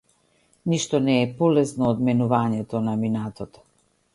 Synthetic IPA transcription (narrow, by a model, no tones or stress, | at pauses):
niʃt̪ɔnɛːpɔlɛsnɔːd̪mɛnuvaɲɛt̪ɔnaminat̪ɔt̪ɔ̥